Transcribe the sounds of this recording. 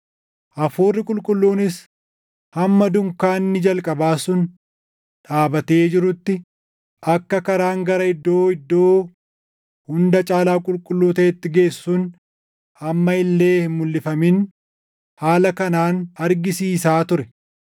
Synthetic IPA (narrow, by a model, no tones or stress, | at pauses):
ʔɐfuːrːɪkʼʊlkʼʊlːuːnɪs | hɐmːɐd̪ʊŋkaːnːɪd͡ʒɐlkʼɐbaːsʊn | ᶑaːbɐt̪e̞ːd͡ʒɪɾʊt̪ːɪ | ʔɐkːɐkɐɾaːŋɡɐɾɐɪd̪ːo̞ːɪd̪ːo̞ː | hʊnd̪ɐt͡ʃʼaːlaːkʼʊlkʼʊlːuːt̪ɐɛt̪ːɪɡe̞ːsːuːn | hɐmːɐɪlːe̞ːhɪmʊlːɪfɐmɪn | haːlɐkɐnaːnɐɾɡɪsiːsaːt̪ʊɾɛ